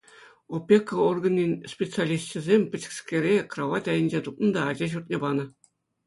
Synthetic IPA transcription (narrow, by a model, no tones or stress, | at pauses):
opʲːekoorɡɤ̆nʲːinʲsʲpʲet̪t͡sɨalʲist̪t͡ɕɘ̆zʲemʲpʲɘ̆t͡ɕɘ̥̆kskʲeɾʲekroʋɑt̪ʲɑjə̆nʲd͡ʑet̪up̚nɤ̆nd̪ɑːd͡ʑɑʑurt̪̚nʲebɑnɤ̆